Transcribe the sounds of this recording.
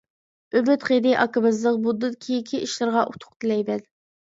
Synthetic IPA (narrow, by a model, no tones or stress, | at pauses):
øbɪt̪χed̪ɪʔɑkɨbɨzlˠəq̚bud̪ːɨd̪̚kʲʰikʲʰiʔiʃlˠɨɾʁɑʔut̪ʰʊ̥qt̪ʰɨlɛjbɛd̪